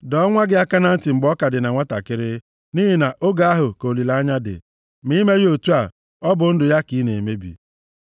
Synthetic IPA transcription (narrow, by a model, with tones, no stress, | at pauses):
dɔ˦ŋʷa˦ɡɪ˦a˦ka˦na˦n̩˦ti˨ŋ͡m̩˨ɡ͡bɔ˦ka˨dɪ˨na˨ŋʷa˦ta̰˨kɪ˦ɾɪ˦ | ni˦ɦi˨na˨ʔo˦ɡa˦a˦ɦʊ˨ko˨li˨la˦ɲa˦dɪ̰˨ | mi˦me˦ɣo˨tu˦a˨ | ɔ˦bʊ˨n̩˦dʊ˨ja˦ki˨˦ne˨e˨me˦bḭ˨